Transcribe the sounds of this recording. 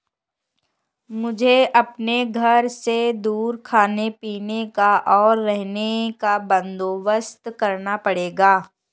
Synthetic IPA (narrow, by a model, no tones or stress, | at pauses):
mʊd͡ʒʱeʔɐpneɡʱɐɾsed̪uːɾkʰaːnepiːnekaʔɔːɾːɛɦnekabɐ̃nd̪oːʋəst̪kɐɾnapɐɽeːɡaː